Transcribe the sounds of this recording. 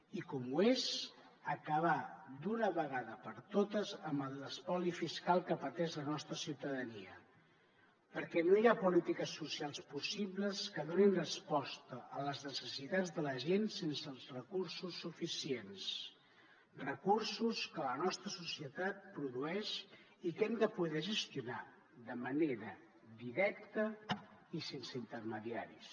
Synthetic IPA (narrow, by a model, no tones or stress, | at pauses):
ikɔmuez | əkəβad̪unəβəɣaðəpəɾt̪ot̪əzəmbəlˠləspɔlifiskalˠkəpət̪ɛʃlənɔst̪ɾəsiwt̪əðəniə | pəɾkɛnojapulit̪ikəsːusialˠspusiβləskəðoninrəspɔst̪əələznəsəsit̪ad͡zðələʒensensəlˠzrəkursusːufisiens | rəkursuskələnɔst̪ɾəsusiət̪at̪̚pɾuðuɛʃ | ikɛmd̪əpuðɛʒəst̪juna | ðəməneɾə | d̪iɾɛk̚t̪əisensəint̪ərməðiaɾis